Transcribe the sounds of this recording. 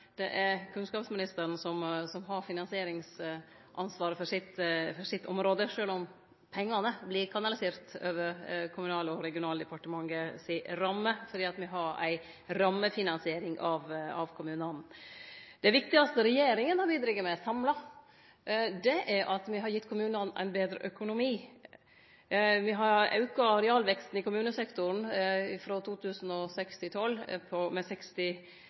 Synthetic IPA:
d̪̥ɛ̰ʔæɾkʰʉnskɑːpsmɪnɪst̪əɾən̩sɔmsɔmɦɑɾfɪnɑnsɪeːɾɪŋs | ʔɑ̰nsʋɑːɾəfɔɾʂɪt̪fɔʂɪt̪ːʰɔ̰mɾoːd̪əʂøːlɔm | pʰɛŋːɑnəblɪːkʰɑnɑlɪseːɾt̪ø̰ːʋəɾkʰʊmʉnɑːlɔɾɛɡɪʊnɑːld̪əpɑʈəmɑŋɡəsɪɾɑmːəfɔɾd̪iːɑt̪mɪɦɑɾæ̰ɪ | ɾɑmːəfɪnɑnsɪeːɾɪŋɑʋɑ̰ʋkʰʊmʉːnɑnn̩d̪ɛʋɪk̚t̪ɪɡɑst̪əɾɛjeːɾɪŋənhɑbiːd̪ɾɪɡːəmɛsɑmlɑ | d̪ɛʔæɾʔɑt̪mɪɦɑɾjɪt̪ːkʰʊmʉːnɑnæ̰ɪnbeːd̪ɾə̰ʔœkʊnʊmiː | ʋɪɦɑɾɑ̰ʉkɑɾɛɑːlʋɛkst̪n̩ɪkʊmʉːnəsɛkt̪ʊɾnɪfɾɔt̪ʰuːt̪ʰʉːsn̩ɔsɛkst̪ɪt̪ʰɔlːpʰɔmɛsɛkst̪ɪ

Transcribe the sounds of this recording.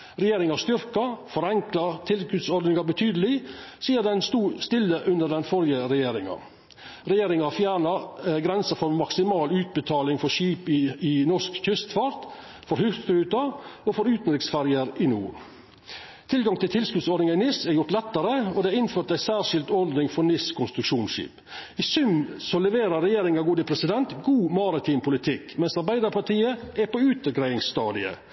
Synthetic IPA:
ɾɛjeːɾɪŋɑst̪ʏɾkɑfɔɾɛŋklɑt̪ʰɪlskʉt̪sɔɾd̪nɪŋɑbət̪ʰyːd̪əlɪsiːəɾd̪ɛnst̪uːst̪ɪlːəʔʉnəd̪ɛnfɔɾjəɾɛjeːɾɪŋɑ̰ | ɾɛjeːɾɪŋɑfjæːɳɑɡɾɛnsəfɔɾmɑksɪmɑːlʉːt̪̚bət̪ʰɑːlɪŋfɔʂiːpɪɪnɔʂkçʏst̪fɑɾt̪ | fɔɾhʉt̪fɾʉːt̪ɑɔfɔɾʉːt̪n̩d̪ɾɪksfæɾjəɾɪnṵː | t̪ʰɪlɡɑŋt̪ʰɪlt̪ʰɪlskʉt̪sɔɾd̪nɪŋɑɪnɪsæɾjʊɾʈ̪lɛt̪ːəɾəɔd̪ɛæɾɪnføːɾʈt̪æɪsæːɾʂɪlt̪ɔɾd̪nɪŋfɔɾnɪskʰʊnst̪ɾʉkʂuːnʃḭːp | ɪsʉmsɔlɛʋeːɾəɾɛjeːɾɪŋɑɡuːd̪əpʰɾɛsɪd̪ɛnt̪ɡuːmɑɾɪt̪ʰiːmpʰʊlɪt̪ʰɪkmɛnsɑɾbæɪd̪əɾpʰɑʈiːəæpɔʉːt̪əɡɾæɪɪŋsst̪ɑːd̪ɪə̰

